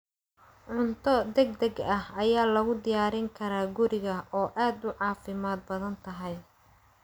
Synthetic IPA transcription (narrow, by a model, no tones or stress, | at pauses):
ʕʊnt̪ʰɔd̪ɛɡ̚d̪ɛɡɐhɐjaːlɐɣʊd̪ɪjaːɾɪŋkʰɐɾaːɡʊɾɪɣɐɔːʔaːd̪ʊʕɑːfɪmaːd̪̚bɐðɐnt̪ʰɐɦɛj